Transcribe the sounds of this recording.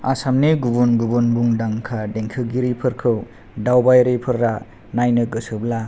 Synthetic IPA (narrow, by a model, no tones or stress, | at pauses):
asamneɡubunɡubunbuŋdaŋkʰadeŋkʰɯɡiɾipʰɯɾkʰɯw | dawbajɾepʰɯɾːa | najnɯɡɯsɯbla